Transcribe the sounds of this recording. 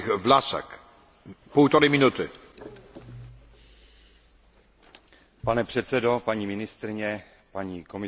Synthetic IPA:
xvlasɛ̰k | pult̪oɾɪmɪnut̪ɪ | panɛpr̥ɛt̪sɛdo̞paɲiːmɪnɪst̪ɾɪɲɛ | paɲiːko̞mɪ

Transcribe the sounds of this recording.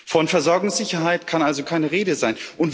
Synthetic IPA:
fɔnfɛɐzɔɐɡʊŋsz̥ɪçɐɦaɪtkʰanʔalzokʰaɪnəʁeːdəzaɪnʔʊnt

